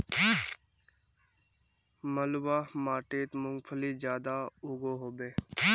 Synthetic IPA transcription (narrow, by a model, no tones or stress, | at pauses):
məlwaːmaːʈeːt̪mʊ̃ŋɡfʰəliːzjaːd̪aːuːɡoːɦoːbeː